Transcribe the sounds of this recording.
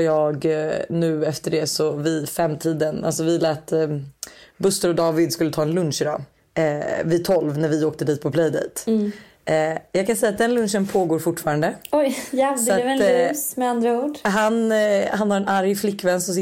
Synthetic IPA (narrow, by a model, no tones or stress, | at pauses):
jɑːɡnʉ̟ːɛft̪əɖɛsɔvɪfɾɛmːt̪ʰiːd̪əna̰lsɔvɪlɛːt̪ː | bɵst̪əɾɔd̪ɑːvɪd̪skɵlːət̪ʰɑːɛnlɵnʂɪd̪ɑ̰ː | vɪt̪ʰɔlvnæɾvɪoːk̚t̪əd̪iːt̪̚pʰɔpʰlɛjd̪ɛ̰jt̪ː | jɑːɡkʰansɛjat̪̚d̪ɛnlɵnʂənpʰoːɡoːɾfʊʈːfɑːɾand̪əɔjsɔatɛsmɛand̪ɾauːɖɦanhanhaɾɛnaɾjflɪkːvɛnst̪ɔs